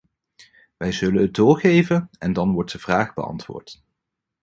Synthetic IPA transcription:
ʋɛjzɵlənɦət̚dʊːɹχejvənɛndɑnʋɔɹt̚dəv̥raːχbə̰ɑ̰ntʋʊ̰ːɹt

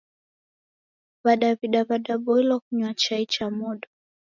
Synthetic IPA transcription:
βaɗaviɗaβaɗabɔilɔkuɲwat͡ʃait͡ʃamɔɗɔ

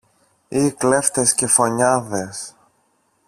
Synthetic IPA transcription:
ikle̞ft̪e̞sce̞fo̞ɲɐðes

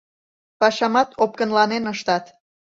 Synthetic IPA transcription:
pɑʃɑmɑt̪op̚kənlɑnenəʃt̪ɑt̪

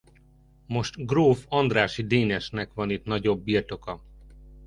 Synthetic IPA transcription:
mo̞ʃt̪ɡroːfɒnd̪raːʃid̪eːnɛʃnɛkʋɒnit̪nɒɟo̞bːiːrt̪o̞kɒ

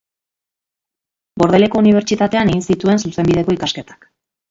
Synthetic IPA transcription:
bo̞ɾð̞e̞le̞ko̞uniβ̞e̞ɾt͡ʃit̪at̪e̞ane̞ɣinsit̪ue̞nsuse̞mbið̞e̞ko̞ikaske̞t̪ḁk

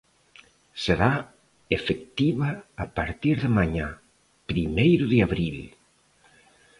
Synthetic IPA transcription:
seɾa | efek̚t̪iβaːpaɾt̪iɾðɪmaɲa | pɾimejɾʊðɪaβɾil

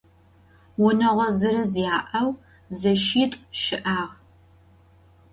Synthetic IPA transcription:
wʊnɐʁʷɔzɨɾɨzjaːʔɐw | zɐʃiːtʷʼʃɪʔaːʁ

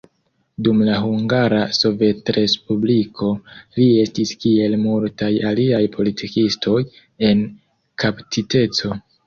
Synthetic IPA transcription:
dumlaɦuŋɡaɾaso̞ve̞tɾe̞spublikʰo̞lie̞stiskie̞lmultajaliajpʰo̞litʰikistʰo̞j | e̞n | kʰaptite̞t͡so̞

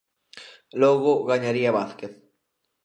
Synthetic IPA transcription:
loɣoɣaɲaɾiaβaθkeθ

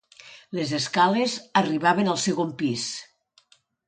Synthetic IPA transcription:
lezeskalezəriβ̞aβenalˠseɣompis

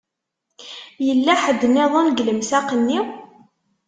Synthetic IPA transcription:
jəlːæħəd̪ːənɪðˤonɡləmsaqənːi

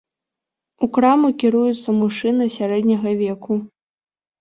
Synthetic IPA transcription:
ukɾamukʲiɾujut̪sːɐmuʂɨnɨsʲaɾɛd̪ʲnʲɐɣɐvʲɛku

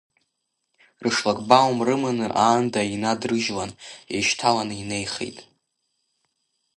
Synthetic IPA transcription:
rɨʂlakʼbawmrɨmɨnɨrʔaːndainadrɨʒlaneʃtʰalanɨine̞jχḛjtʼ

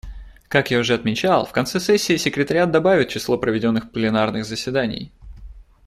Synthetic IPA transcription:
kakjaʊʐɛɐt̪mʲɪt͡ɕalˠfkɐnt̪sɛsɛsʲːɪːsʲɪkɾʲɪt̪əɾʲɪat̪̚d̪ɐbavʲɪt̪̚t͡ɕɪslˠo̞pɾəvʲɪdʲo̞nːɨxplʲɪnarnɨɣzəsʲvʲɪd̪anʲɪ̰j

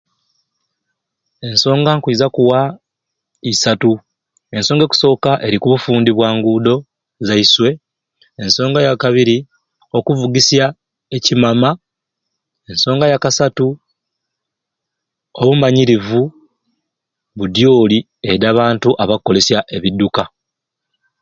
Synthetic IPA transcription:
e̞nso̞ːŋɡaŋkiːzakuwa | isatu | e̞nso̞ːŋɡe̞ku̥so̞ːkaʔe̞ɾikuβufuːndiβwaːŋɡuːdo̞ | zaiswe̞ | enso̞ːŋɡajakaβiɾi | o̞kuvuɡisja | e̞cimama | e̞nso̞ːŋɡajakasatu | oβumaɲiɾivu | βudjo̞ːli | eɾaːβaːntuʔaβakːo̞le̞sjaʔe̞βidːuka

